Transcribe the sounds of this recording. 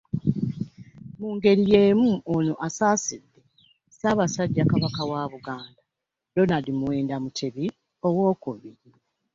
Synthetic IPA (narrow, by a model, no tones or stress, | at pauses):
muːŋɡe̞ɾijeːmuonoʔasaːsidːe | saβasaɟːakaβakawaβuɡaːnda | donalimuwe̞ːndamutʰeβi | o̞wo̞ːkuβi